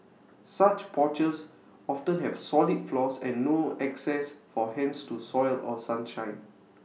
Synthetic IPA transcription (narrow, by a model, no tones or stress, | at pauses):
sat͡ʃpʰɔt͡ʃəs | ɔftə̃nɦɛv̥sɔlit̚flɔsɛ̃nːoɛksɛsfɔɦɛ̃nstusɔɪlɔsãnʃãɪj̃n